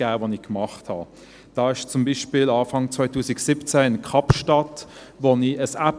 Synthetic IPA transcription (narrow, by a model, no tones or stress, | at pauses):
æːvonikmɑχthɑ̰ | d̥ɑːɪʃt͡sʊmbiʃpiːlɑːfɑŋt͡svaɪtuːsiksipt͡sɛɪnkʰɑpʃtɑt | voniəsæp